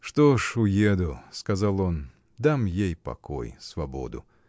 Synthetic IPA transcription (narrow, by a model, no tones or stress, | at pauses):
ʂt̪oʂʊjed̪ʊskɐzalˠo̞n | d̪amjejpɐ̰ko̰jsvɐbo̰d̪ʊ̰